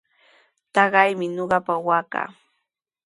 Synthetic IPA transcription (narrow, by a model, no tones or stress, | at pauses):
t̪ɑɢɑjmɪɲoɢɑpawaːka̰ː